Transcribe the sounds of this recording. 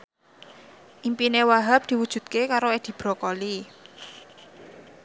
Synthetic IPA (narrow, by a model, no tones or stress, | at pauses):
ʔimpinewaɦap̚d̪̥i̤wud̥ʒ̥ṳt̪̚kekaɾoed̪̥i̤b̥ɾɔ̤kɔli